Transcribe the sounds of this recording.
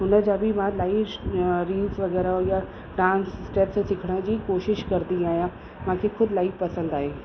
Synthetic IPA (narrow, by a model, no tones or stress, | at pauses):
ɦʊnə̆d͡ʑaːbɪmãlaːiɾiːzʋɐɣɛːɾaoja | ɖãːnssʈeːpssɪkʰəɽ̃əd͡ʑiːkoːʃɪʃkɐɾnd̪iaːɦijãː | mãːkʰexʊd̪ʱɪlaːifpɐsə̃nd̪aːɦeː